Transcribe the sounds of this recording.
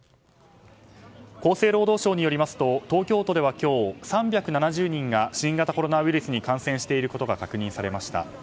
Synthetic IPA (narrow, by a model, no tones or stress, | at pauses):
ko̞ːse̞ːɾo̞ːd̪o̞ːɕo̞ːɲ̟ijo̞ɾʲimasɨ̥t̪o̞t̪o̞ːkʲo̞ːt̪o̞d̪e̞βakʲo̞ːsãmbʲjakɯ̟nanaʑɨːɲ̟ĩŋɡaɕĩŋɡat̪ako̞ɾo̞naβiɾɯ̟sɨɲ̟ikãɰ̃sẽ̞ɰ̃ɕi̥t̪e̞iɾɯ̟ko̞t̪o̞ɡakakɯ̟ɲ̟ĩsaɾe̞maɕi̥t̪a̰